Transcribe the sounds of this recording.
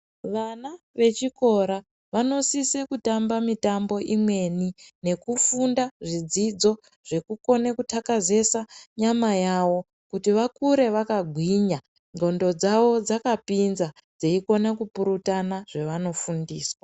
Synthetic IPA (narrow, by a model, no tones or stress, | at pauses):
ʋana | ʋe̞t͡ʃiko̞ɾa | ʋano̞sise̞kutambamitambo̞ʔimwe̞nine̞kufundaʐid͡zid͡zo̞ | ʐ̥e̞kuko̞nekutʰakaze̞saɲamajawo̞ | kutiʋakuɾe̞ʋakaɡʱwiɲa | no̞ndo̞d͡zaʋo̞d͡zakapinza | d͡zeiko̞nakupuɾutanaʐ̥e̞ʋano̞fundiːswa